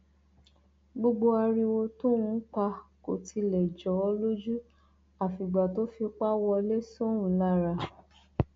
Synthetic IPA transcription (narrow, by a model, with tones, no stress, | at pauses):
ɡ͡bo˧ɡ͡bo˧a˧ɾi˧wo˧tũ˦wũ˧˦k͡pa˧ko˨tʰi˧lɛ˨d͡ʒɔ˨˦ɔ˧lo˦d͡ʒu˦ | a˨fi˨ɡ͡ba˨to˦fi˧k͡pa˦wɔ˧le˦so˦w̃ũ˨la˦˨ɾa˧